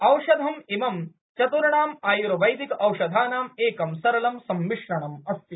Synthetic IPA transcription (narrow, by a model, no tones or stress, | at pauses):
ɐwʃɐd̪ʱɐmimɐm | t͡ʃɐt̪uɾɐɳaːmaːjuɾɐʋɐjd̪ikɐwʃɐd̪ʱaːnaːmeːkɐmsɐɾɐlɐmsɐmʋiʂɾɐɳɐmɐst̪i